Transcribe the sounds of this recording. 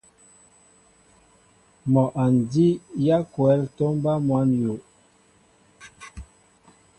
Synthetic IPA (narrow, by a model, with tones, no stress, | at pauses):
mɔ˨ʔa˨n˨di˦ja˦kwɛ˨˦ltɔ˦m˦ba˦mwa˨˦njo˨